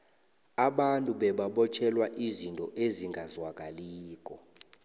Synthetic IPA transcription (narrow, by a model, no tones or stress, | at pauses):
aɓantʼuɓɛɓaɓɔt͡ʃʰɛlwaʔizintʼɔʔeziŋɡʱazwak̬ʼaliːk̬ʼɔ